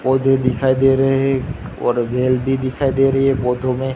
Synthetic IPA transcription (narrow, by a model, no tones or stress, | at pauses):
pɔːd̪ʱed̪ɪkʰaːid̪eːɾɐɦeɛɔ̰ːɾbʱeːlbʱid̪ɪkʰaːid̪eɾɐɦɦɛpɔːd̪ʱomẽ